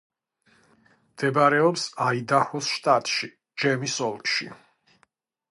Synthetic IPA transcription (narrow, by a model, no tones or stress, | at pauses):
md̪̥ɛbaɾɛɔpsaid̪ahɔsʃt̪ʼat̪ʼʃi | d͡ʒɛmisɔlˠkʼʃḭ